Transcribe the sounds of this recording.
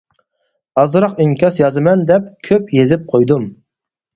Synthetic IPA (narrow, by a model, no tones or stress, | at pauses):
ɑzɨɾɑqiŋkʲʰɑsjɑzɨmɛnd̪ɛp̚kʲʰøpjezɪp̚qʰojd̪um